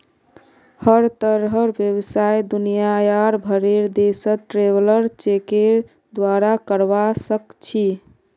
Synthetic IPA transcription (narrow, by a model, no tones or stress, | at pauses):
həɾt̪əɾɦəɾbjəbsajd̪unijajaɾbʱəɾeɾd̪esət̪ʈɾeʋləɾt͡ʃekeɾ | d̪waɾakəɾbasəkt͡ʃʰi